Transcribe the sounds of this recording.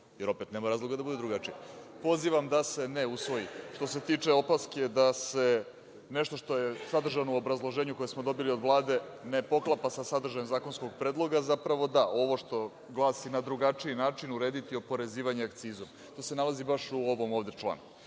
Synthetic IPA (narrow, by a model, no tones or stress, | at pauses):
jeɾo̞pe̞t̪nemaɾaːzlˠoɡad̪abud̪ed̪ɾuɡat͡ʂiapo̞ziʋamd̪ase̞neusʋo̞jiʃt̪o̞se̞t̪iːt͡ʂe̞o̞pasked̪ase̞ | neʃt̪o̞ʂt̪o̞jesad̪r̩ʒanouobɾazlˠo̞ʒeːɲuko̞jesmo̞d̪o̞bilio̞d̪ʋlˠaːd̪e̞ne̞po̞klˠapasasad̪ɾr̩ʒajemzaːko̞nsko̞ɡpɾe̞ːd̪lˠo̞ɡazapɾaʋo̞d̪aʔo̞ʋo̞ʂt̪o̞ | ɡlˠaːsinad̪ɾuɡat͡ʂiinaːt͡ʂinuɾe̞ːd̪it̪iopo̞ɾe̞ziːʋaɲeakt̪siːzom | t̪o̞ːse̞nalazibaʃuoʋo̞moːʋd̪et͡ʂlˠa̰ːn